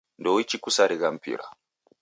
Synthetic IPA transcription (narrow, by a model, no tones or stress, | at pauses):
ndɔwit͡ʃikusaɾiɣam̩pḭɾa̰